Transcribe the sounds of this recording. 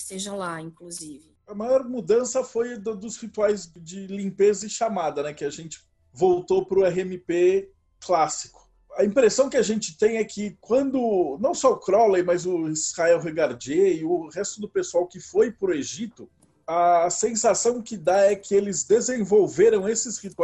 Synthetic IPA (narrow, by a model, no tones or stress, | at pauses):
seʒɐlaĩŋkluzivɪɐmajɔɾmud̪ɐ̃sɐfojd̪ʊd̪ʊzʁit̪uajzd͡ʒɪlĩpezɐɪʃamad̪ɐnɛkɪaʒẽnt͡ʃɪ̥ | vowt̪opɾʊɛhemɪpe | klasi̥kʊ̥ | ɐĩpɾesɐ̃w̃kɪaʒẽnt͡ʃɪ̥t̪ẽj̃ɛkʰɪkwɐ̃nd̪ʊnɐ̃w̃sɔʊkɾɔlejmɐzʊizhaɛwɦeɡaɾd͡ʒeɪʊʁɛst̪ʊd̪ʊpesuawkɪfojpɾʊeʒit̪ʊ | ɐːsẽsasɐ̃w̃kɪd̪aɛkɪelɪzd̪ezẽvowveɾɐ̃w̃esɪzʁit̪u